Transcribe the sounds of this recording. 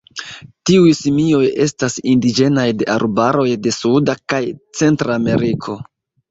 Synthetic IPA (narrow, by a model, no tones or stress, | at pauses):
tiujsimio̞je̞stasindid͡ʒe̞najde̞ʔaɾbaɾo̞jde̞sudakajt͡se̞ntɾaːme̞ɾikʰo̞